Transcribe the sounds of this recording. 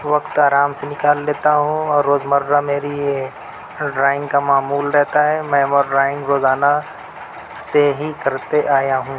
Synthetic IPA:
ʋɐkt̪aːɾaːmsenɪkaːlːeːt̪aɦũɔːɾːoːzmɐɾːameːɾije | ɖɾaːɪ̃ŋɡkamaːmuːlɾɛɦt̪aɦɛmɛ̃ːmɔɾɾaːɪ̃ŋɡɾoːzaːna | seɦikɐɾt̪eʔaːjaɦũː

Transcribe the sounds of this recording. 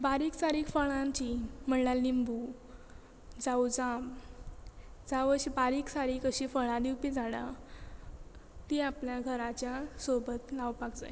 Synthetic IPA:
baɾiːksaɾiːkfəɭãnt͡ɕim̤əɳlalːimbu | d͡zawd͡zãm | d͡zaʋəɕibaɾiːksaɾiːkəɕifəɭãd̪iwpid͡zaɽa̰ | t̪iapljaɡʱəɾat͡ɕjasobət̪lawpakd͡za̰j

